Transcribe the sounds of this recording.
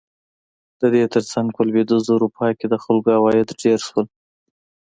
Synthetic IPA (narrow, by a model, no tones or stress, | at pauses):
d̪̥əd̪et̪əɾt͡saŋɡ̚pəlwed̪uzoɾupʰɑjked̪əxʊlɡawɑjɪd̪ɖeɾʃwəl